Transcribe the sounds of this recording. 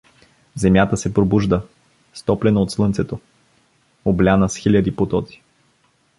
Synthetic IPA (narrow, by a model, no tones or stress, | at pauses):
zɛmjat̪əsɛpɾobuʒd̪ə | st̪ɔplɛnɐot̪slˠɤnt̪sɛt̪o | oblʲanəsxilʲəd̪ipot̪ɔt̪i̥